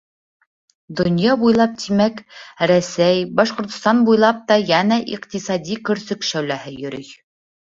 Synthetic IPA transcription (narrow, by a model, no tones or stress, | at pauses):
d̪ŏnjɑbujlˠɑp̚t̪ʰimækɾæsæjbɑʃqŏɾt̪ŏst̪ɑnbujlˠɑp̚t̪ɑjænæʔḭqt̪isɑd̪ʲikɵ̆ɾsɵkʃæwlæhɘjɵ̆ɾɵj